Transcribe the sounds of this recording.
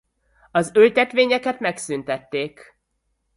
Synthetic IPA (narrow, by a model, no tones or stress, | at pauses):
ɒzølt̪ɛt̪ʋeːɲɛkɛt̪mɛksynt̪ɛt̪ːeːk